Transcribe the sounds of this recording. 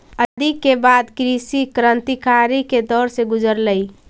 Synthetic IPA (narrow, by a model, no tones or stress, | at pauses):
əd̪ʱikebad̪kɾisikɾə̃nt̪ikaɾiked̪ɔɾsẽɡud͡ʒəɾləj